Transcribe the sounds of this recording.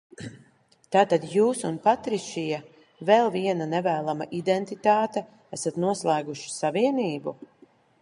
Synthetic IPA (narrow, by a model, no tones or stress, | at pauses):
t̪aːt̪ad̪juːsunpat̪ɾiʃija | vɛlˠviɛnanɛvæːlˠama̰ʔid̪ɛnt̪it̪aːt̪ɛ | æsat̪nuɔslˠæːɡuʃi̥saviɛniːbu